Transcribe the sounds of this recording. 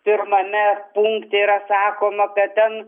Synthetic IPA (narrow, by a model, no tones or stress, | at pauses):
pʲɪɾmɐmʲɛpuŋkt̪ʲeiɾɐsɑːkoːmɐkɐt̪̚t̪ʲɛn